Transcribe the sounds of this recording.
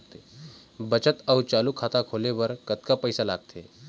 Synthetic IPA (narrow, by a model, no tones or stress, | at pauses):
t̪e | bət͡ɕət̪əwt͡ɕaluːkʰat̪akʰoleʋəɾkət̪kapəjsalaɡ̚t̪ʰe